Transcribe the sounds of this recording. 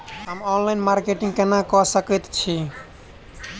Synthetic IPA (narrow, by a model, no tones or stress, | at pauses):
ɦəmɔnlainmaɾkeʈiŋkenakɔsəkɛt̪t͡ʃʰi